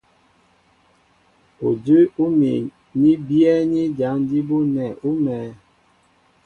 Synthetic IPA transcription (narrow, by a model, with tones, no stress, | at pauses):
o˨də˦u˦mi˨ | ɲi˦bi˦ɛ˦ɲi˦d͡ʒa˨˦n˦di˦bu˦nɛ˨ʔu˦mɛ˨˦